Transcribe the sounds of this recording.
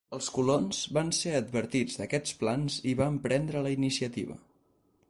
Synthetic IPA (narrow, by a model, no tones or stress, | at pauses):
əlˠskulonzβanseəd̪̚βəɾt̪id͡zd̪əkɛt͡splanziβampɾɛnd̪ɾələinisiət̪ḭβ̞ə̰